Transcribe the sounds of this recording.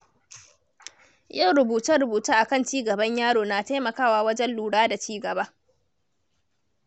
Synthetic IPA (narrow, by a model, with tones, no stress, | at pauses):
ja˦˨ɽʊ˨buː˨ta˦ɽʊ˨buː˨taː˦ʔa˨kɐ˦˨nt͡ʃiː˦ɡɐ˨bɐ˦ɲjaː˦ɽoː˨naː˨ta˦jmɐ˨kaː˦waː˨wɐ˦d͡ʒɛ˦nluː˨ɽaː˦da˨t͡ʃiː˦ɡɐ˨ba˦